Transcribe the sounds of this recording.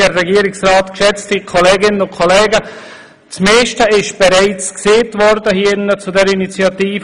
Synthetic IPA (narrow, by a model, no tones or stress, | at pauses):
ərɛɡiːɾɪksʁraːtkʃɛt͡stikʰɔleːɡɪnənʊnkʰɔlɛːɡə | t͡smeːʃtəɪʃb̥ɛɾaɪt͡skseːtvɔɾdəhiənət͡sudɛɾinit͡sjɑtiːf